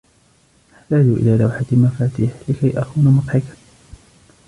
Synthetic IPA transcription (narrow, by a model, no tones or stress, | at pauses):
ʔaħt̪aːd͡ʒuʔɪ̰laːlawħat̪ɪmafaːt̪iːħlɪkajʔaxuːnamɑq̪ħɪk